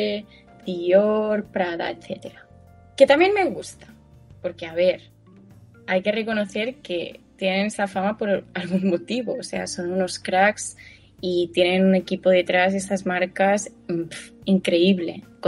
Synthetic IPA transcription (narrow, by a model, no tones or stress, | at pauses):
t̪ioɾpɾaða̰et̪θe̞t̪e̞ɾa | ke̞t̪amje̞nme̞ɣust̪ḁ | po̞ɾke̞aβe̞ɾ | ajke̞re̞ko̞no̞θe̞ɾke̞t̪je̞ne̞nesafamapo̞ɾalɣunmot̪iβo̞ːse̞a̰so̞nuno̞skɾaks | it̪je̞ne̞nune̞kipoð̞e̞t̪ɾas̬e̞sazmaɾkasmfiŋkɾe̞iβle̞̰k